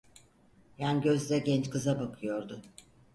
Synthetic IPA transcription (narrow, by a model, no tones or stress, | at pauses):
janɟø̞zd̪ɛɟɛnt͡ʃkʰɯzabakʰɯjo̞ɾd̪ʊ